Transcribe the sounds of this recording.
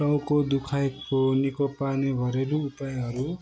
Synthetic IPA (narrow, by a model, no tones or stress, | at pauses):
ʌwkod̪ukʰajkonikopanebʱʌɾeɾuupajɦʌɾu